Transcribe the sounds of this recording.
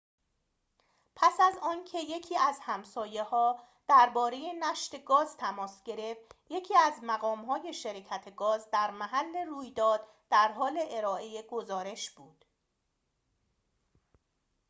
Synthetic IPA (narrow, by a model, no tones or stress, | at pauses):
pʰæsæzɒːncʰe̞je̞cʰiːæzhæmsɒːje̞hɒː | d̪̥æɾbɒːɾe̞je̞næʃt̪e̞ɡɒːzt̪ʰæmɒːsɟ̥e̞ɾe̞fje̞cʰiːæzmæɣɒːmɦɒːje̞ʃeɾecʰæt̪ʰeɡɒːzd̪æɾmæɦælːe̞ruːjd̪ɒːd̪ | d̪̥æɾɦɒːle̞ʔeɾɒːʔe̞jeɡo̞zɒːɾe̞ʃb̥uːd̪̥